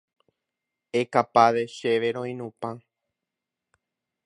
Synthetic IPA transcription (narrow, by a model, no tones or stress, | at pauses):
ekapaʋeʃeʋeɾõĩnũpã